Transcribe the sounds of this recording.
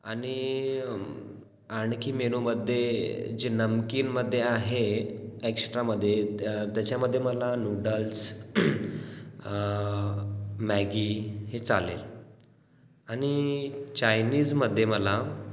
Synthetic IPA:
aɽ̃i | aɳkiːmeɽ̃uməd̪ʱːjed͡ʑenəmkiːnməd̪ʱːjeaɦeeksʈɾaməd̪ʱːjet̪jat͡ɕaməd̪ʱːjeməlanuɖəls | mæɡihet͡salḛl | aɽ̃it͡ɕajniːd͡zməd̪ʱːjeməla

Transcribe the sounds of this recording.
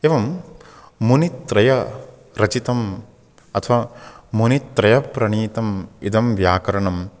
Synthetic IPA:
eːʋɐmː | unit̪ɾɐjɐ | ɾɐt͡ʃit̪ɐm | ɐt̪ʰʋaːmunit̪ːɾɐjɐpɾɐɳiːt̪ɐmid̪ɐmʋjaːkɐɾɐɳɐm

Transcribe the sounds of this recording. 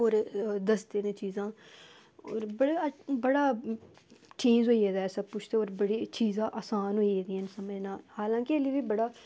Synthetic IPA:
oːɾd̪əsd̪eːnẽːt͡ʃiːzãː | oːɾbəɽebəɽaː | t͡ʃĩːzɦoːieːd̪aːɛːsəb̚pʊt͡ʃʰt̪eːoːɾbəɽiːt͡ʃiːzãːʔaːsaːnɦoːiːeːɡ̪ĩnsəmẽːnaːlhaːlãːkɪeliːʋiːbəɽaː

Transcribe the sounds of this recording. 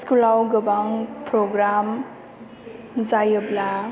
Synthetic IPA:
skulawɡəbaŋpɾɔɡɾam | zajɔbla

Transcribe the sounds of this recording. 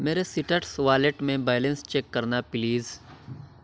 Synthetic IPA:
meːɾesɪʈəʈsʋaːleʈmẽbaːɪlẽnst͡ʃeːkːɐɾnapliːz

